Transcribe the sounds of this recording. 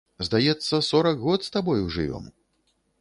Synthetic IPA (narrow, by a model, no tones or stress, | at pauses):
zd̪ajɛt̪sːɐsɔɾɐkɣɔt̪st̪abɔjuʐɨ̰vʲɔ̰m